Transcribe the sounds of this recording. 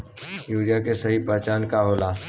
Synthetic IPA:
juːɾijakesɐɦipɛɦt͡ʃaːnkaɦoːlaː

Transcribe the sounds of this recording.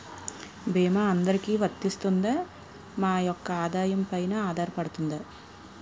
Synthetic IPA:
bɛːmaɐnd̪ɐɾikiːʋɐt̪ːist̪und̪a | maːjɔkːɐaːd̪aːjɐmpɐjnɐaːd̪aːɾɐpɐɽut̪und̪ɐ

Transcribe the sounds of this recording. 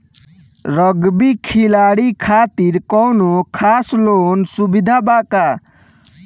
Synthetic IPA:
rʌɡbikʰilaɽikʰat̪iɾkɔwnokʰaslonsubid̪ʱabaka

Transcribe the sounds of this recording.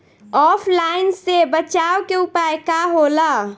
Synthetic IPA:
ɔːpʰlaːɪnsebət͡ʃaːwkeʊpajkaɦola

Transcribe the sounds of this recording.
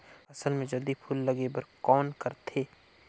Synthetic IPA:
ɐsəlmẽd͡ʒɐld̪ipʰʊlːɐɡebɐɾkɔːnkɐɾt̪ʰeː

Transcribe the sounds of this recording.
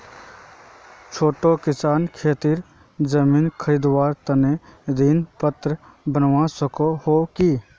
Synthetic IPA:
t͡ʃʰoːʈokɪsaːnkʰeːt̪iːɾ | d͡ʒəmiːnkʰəɾiːd̪waːɾt̪əned̪iːnpət̪ɾə | bənʋasəkohokiː

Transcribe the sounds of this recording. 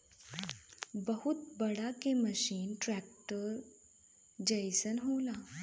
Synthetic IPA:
bəhut̪̚bəɽakeməɕiːnʈɾæk̚ʈəɾ | d͡ʑejsənɦowla

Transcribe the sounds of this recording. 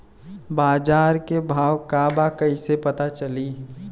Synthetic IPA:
baːd͡ʒaːɾkebʱaːʋkabakəisepət̪at͡ʃəli

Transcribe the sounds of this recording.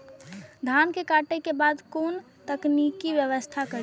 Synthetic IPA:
d̪ʱankekaʈekebaːd̪koːn | t̪əknikiʋjəʋəst̪ʰakə

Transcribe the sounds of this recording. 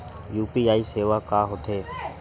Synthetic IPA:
juːpiːaːiːseːʋaːkaːɦot̪ʰeː

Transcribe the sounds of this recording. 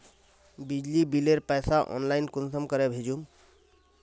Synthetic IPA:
bid͡ʒlibileɾpɛjsaʔɔ̰nlainkunsəmkəɾebʱed͡ʒum

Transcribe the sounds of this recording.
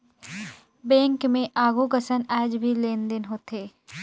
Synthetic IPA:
bɛ̃ːŋkmẽʔaːɡukəsənɛːd͡ʒbʱileːnd̪ɪnɦoːt̪eː

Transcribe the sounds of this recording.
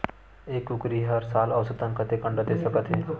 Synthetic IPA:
ekʊkɾiːɦəɾsaːləːsət̪ənkʰət̪eːkə̃ɳɖət̪eːsəkət̪ʰɦeː

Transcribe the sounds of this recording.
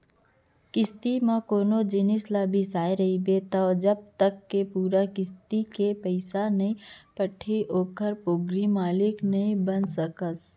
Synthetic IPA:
kɪst̪imãkoːnod͡ʒɪnɪslabʱisaːeɾəɦibet̪ɔd͡ʒəb̚t̪əkːepuːɾakɪst̪ikepəɪsanəĩpəʈʰiʔoːkəɾpoːɡɾimaːlɪknəĩbənsəkəs

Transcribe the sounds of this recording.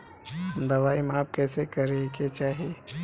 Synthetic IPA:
d̪ɐʋaːimaːp̚kɛːsekɐɾeket͡ʃaːɦieː

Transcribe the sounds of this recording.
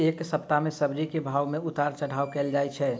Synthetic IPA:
eksəpt̪amẽsəbɾikebʱawmeʊt̪aɾt͡ʃəɽ̤aːwkɛld͡ʒajt͡ʃʰɛ

